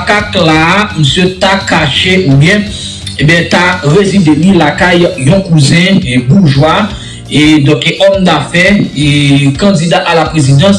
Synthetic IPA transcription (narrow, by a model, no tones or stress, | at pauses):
kaklaməsjøtakaʃeʔubjɛ̃ | ẽbjɛ̃t̪aʁezid̪elilakajjɔ̃kuzɛ̃buʒwa | ed̪ɔ̃keʔɔmt̪afɛekɐ̃d͡zid̪aʔalapʁezid̪ɑ̃s